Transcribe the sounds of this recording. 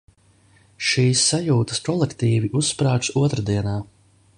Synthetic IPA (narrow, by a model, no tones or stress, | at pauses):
ʃiːsːajuːt̪ɐ̥skɔlˠɛkt̪iːviʔusːpɾaːt͡ʃuɔt̪ɾad̪iɛnaː